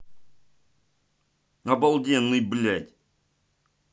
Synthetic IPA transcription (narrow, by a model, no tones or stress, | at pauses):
ɐbɐlˠdʲenːɨjblʲæt̪ʲ